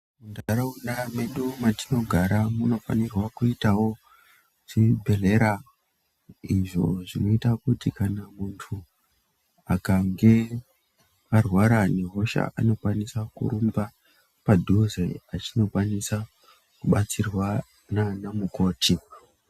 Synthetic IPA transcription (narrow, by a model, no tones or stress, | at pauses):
mundaɾaunɗame̞ɗumatino̞ɡʱaɾamuno̞fa̰nirwakuitawo̞ | ʐibʱele̞ɾa | iʐo̞̰ʐino̞itakutikanamuntʰu | akaŋɡe̞ | arwaɾane̞ɦo̞ʃa̰ʔa̰no̞kwanisakṵɾumba | padʱuzeat͡ʃino̞kwanisa | kuɓat͡sirwa | nanamuko̞ːti